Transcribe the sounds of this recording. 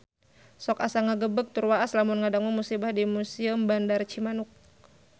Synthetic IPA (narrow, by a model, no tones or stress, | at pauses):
sɔkasaŋaɡəbək̚t̪urwaʔaslamunŋadaŋumusibahdimusiəmbandart͡ʃimanʊk̚